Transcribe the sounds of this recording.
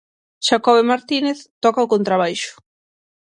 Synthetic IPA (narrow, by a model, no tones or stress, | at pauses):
ʃakɔβemaɾt̪ineθt̪ɔkaokont̪ɾaβ̞ajʃʊ̥